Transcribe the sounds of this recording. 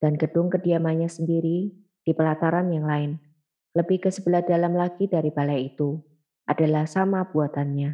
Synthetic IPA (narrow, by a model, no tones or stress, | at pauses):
d̥anɡəd̥ʊŋkədiamaɲasəndiɾi | d̥ipəlat̪aɾanjaŋlaɪn | ləbɪhkəsəbəlahd̥alamlaɡ̥idaɾib̥alajit̪u | ʔad̥alahsamab̥uat̪anɲa